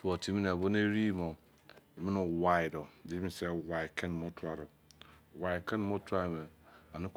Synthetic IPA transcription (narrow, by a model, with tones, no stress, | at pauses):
to˨tʰi˦mi˦n˨a˨bo˦n˦e˦ɾi˦mo˨ | mĩ˦nũ˨wa˨i˨dɔ˨di˦ĩ˦se˦wa˨i˨kʰɛ̃˦n˨mo˦tʰu˦a˨ɾɔ˨ | wa˨i˨kɛ˦n˦mo˦tu˦a˦˨mɛ˨a˨ni˦k